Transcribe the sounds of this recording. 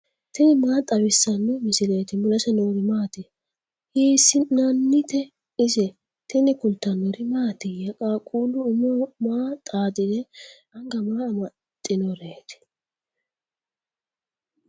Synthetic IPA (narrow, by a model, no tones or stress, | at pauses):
t̪ɪnɪmaːt̪ʼɐbɪsːɐnːɛmɪsɪleːt̪ɪmʊlɐsɛnoːɾɪmaːt̪ɪ | hiːsːɪnanːɪt̪ɛ | ɪzɛ | t̪ɪnɪkʊlt̪ːɐnɔɾɪmaːt̪ɪjɐkʼaːkʼuːlʊʊmomaːt̪ʼaːd̪ɪd̪ɛ | ɐŋɡɐmaːɐmɐ | t̪ʼːɪnɔɾe̞ːt̪ɪ̥